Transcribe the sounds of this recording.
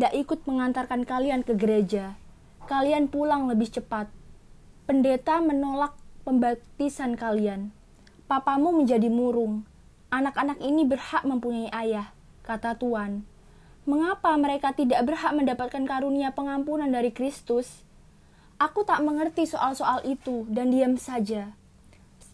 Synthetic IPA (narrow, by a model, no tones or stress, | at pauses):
idaʔikʊt̪̚məŋant̪arkankaliankəɡəɾed͡ʒa | kalianpulaŋləbɪht͡ʃəpat̪̚ | pəndet̪amənolak̚pəmbat̪isankalian | papamuməɲd͡ʒadimuɾʊŋ | ʔanakanakinibərhaʔməmpuɲaiʔajah | kat̪at̪uan | məŋapaməɾekat̪idaʔbərɦaʔməndapat̪̚kankaɾuniapəŋampunandaɾikɾist̪ʊs | ʔakut̪aʔməŋərt̪isoʔalsoʔalʔit̪udandiamsad͡ʒa